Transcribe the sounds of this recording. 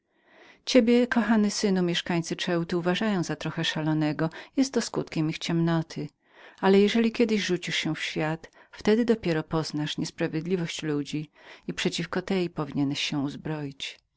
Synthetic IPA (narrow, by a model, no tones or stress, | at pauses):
t͡ɕebʲjɛkɔxanɘsɘnumʲjɛʂkaɲt̪sɘt͡ʂɛwt̪ɘuvaʐajɔ̃w̃zat̪ɾɔxɛʂalɔnɛɡɔjɛst̪ːɔskut̪kʲɛmixt͡ɕɛmnɔt̪ʰɘ | alɛjɛʐɛlʲikʲɛd̪ɘʑʐut͡ɕiʂɕɛ̃fɕfʲjat̪ft̪ɛd̪ɘd̪ɔpʲjɛɾɔpɔznaʂɲɛspɾavʲed̪lʲivɔɕt͡ɕlud͡ʑiipʂɛt͡ɕifkɔt̪ɛjpɔvʲiɲɛnɛɕɕɛ̃uzbɾɔjit͡ɕ